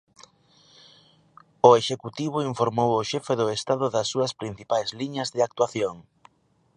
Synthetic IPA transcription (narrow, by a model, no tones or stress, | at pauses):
ʊeʃekut̪iβ̞ʊiɱfoɾmowʊʃɛfeðʊest̪aðʊðɐsːuɐspɾin̟θipajzliɲɐzðɪak̚t̪waθjoŋ